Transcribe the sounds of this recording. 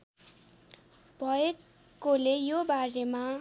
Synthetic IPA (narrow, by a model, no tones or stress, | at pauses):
bʱʌe | kːolejobaɾema